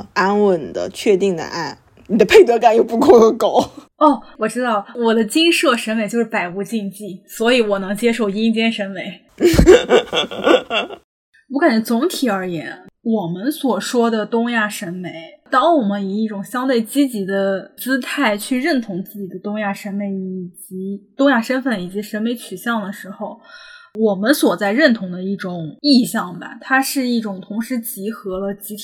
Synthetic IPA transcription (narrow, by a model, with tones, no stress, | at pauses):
a˥nwə˥˩nd̪ə̰˦t͡ɕʰɥɛ˥˧t̪i˥˩ŋd̪ə̰˦ʔa̰˥˩n | ni˨˩d̪ə˦pʰe˥˩ɪt̪ɤ˧˥ka˥˩njo˥˧ʊpu˥˧ko˥˧˥ko˨˩˦ʊ | ɔ˥˩wɔ˨˩ʈ͡ʂɻ̩˥d̪ɑ˥˩ʊwɔ˨˩d̪ə˦t͡ɕi˥ŋʂɤ˥˩ʂə˧˥nme˧˩ɪt͡ɕjo˥˧ʊʂɻ̩˥˩pa˨˩ɪu˧˥t͡ɕi˥˧ŋt͡ɕi˥˩swɔ˧˥i˧˥wɔ˨˩nɤ˧˥ŋt͡ɕjɛ˥ʂo˥˩ʊi˥ŋt͡ɕjɛ˥nʂə˧˥nme˧˥ɪ | u˧˥ka˨˩n˩t͡sʊ˧˥ŋt̪ʰi˨˩ə˞˧˥jɛ˧˥nwɔ˨˩mə˦nswɔ˨˩ʂwɔ˥d̪ə˨t̪ʊ˥ŋja˥˩ʂə˧˥nme˧˥ɪt̪ɑ˥ŋwɔ˨˩mə˦ni˨˩i˥˩ʈ͡ʂʊ˨˩ŋɕjɑ˥ŋt̪we˥˩ɪt͡ɕi˥t͡ɕi˧˥d̪ə˧t͡sɹ̩˥t̪ʰa˥˩ɪt͡ɕʰy˥˧ɻə˥˩nt̪ʰʊ˧˥ŋt͡sɹ̩˥˩t͡ɕi˨˩d̪ə˦t̪ʊ˥ŋja˥˩ʂə˧˥nme˧˥ɪi˨˩t͡ɕi˧˥t̪ʊ˥ŋja˥˩ʂə˥nfə˥˩ni˨˩t͡ɕi˧˥ʂə˧˥nme˧˥ɪt͡ɕʰy˨˩ɕjɑ˥˩ŋd̪ə˩ʂɻ̩˧˥xo˧˩ʊwɔ˨˩mə˦nswɔ˨˩t͡sa˥˧ɪɻə˥˩nt̪ʰʊ˧˥ŋd̪ə˧i˥˩ʈ͡ʂʊ˨˩˦ŋi˥˧ɕjɑ˥˩ŋbɐ̰˩t̪ʰa˥ʂɻ̩˥˧i˥˩ʈ͡ʂʊ˨˩ŋt̪ʰʊ˧˥ŋʂɻ̩˧˥t͡ɕi˧˥xɤ˧˥d̪ə˧t͡ɕi˥t̪ʰ